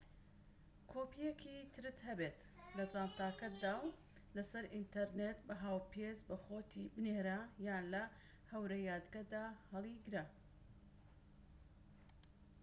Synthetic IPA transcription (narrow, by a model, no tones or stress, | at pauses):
kʰoːpʰijekʰit̪ʰɨɾɨt̪hɐbet̪ | lɐd͡zaːnt̪aːkɐt̪̚d̪aːw | lɐsɐɾʔint̪ɐɾnet̪bɐɦaːwpʰezbɐxoːt̪ʰibɨneːɾajaːnlɐ | hɐwɾɐjaːd̪ɡɐd̪aːhɐlˠiɡɾa